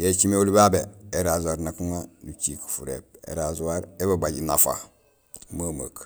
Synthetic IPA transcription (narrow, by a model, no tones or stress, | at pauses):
jet͡ʃimeolibabeeɾazuaɾnakuŋadut͡ʃiku̥fuɾḛp̚ḛɾazuwaɾebabaɟinafa̰ | maːma̰k